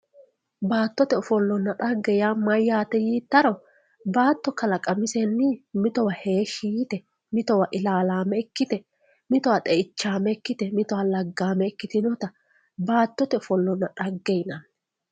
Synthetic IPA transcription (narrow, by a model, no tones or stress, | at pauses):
baːt̪ːɔt̪ɛʊfɔlːɔnːɐᶑɐɡːɛjaːmɐjːaːt̪ɛjiːt̪ːɐɾɔ | baːt̪ːɔkɐlɐkʼɐmɪsɛnːɪmɪt̪ɔwɐheːʃiːt̪ɛ | mɪt̪ɔwɐʔɪlaːlaːmɛɛkːɪt̪ɛ | mɪt̪ɔwɐt̪ʼɛʔɪt͡ʃːaːmɛɛkːɪt̪ɛmɪt̪ɔwɐlɐɡːaːmɛɛkːɪt̪ɪnɔt̪ɐ | baːt̪ːɔt̪ɛʊfɔlːɔnːɐᶑɐɡːɛjnɐn